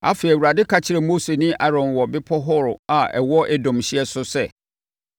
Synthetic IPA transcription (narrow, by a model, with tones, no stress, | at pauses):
a̰˦fe˨wu˨ɾa˨dɪ˦kʰa˦t͡ɕʰɪ˦ɾɛ˨mo˦se˨nĩ˦ʔa˦ɾɔ̃˨nwɔ˨bɪ˦pʰɔ˦ɦʊ˦ɾʊ˨a˨ɛ̰˨wɔ˦ʔɛ˦dɔ̃˨mɕɪ˦ɛ˦sʊ˦sɛ˦˨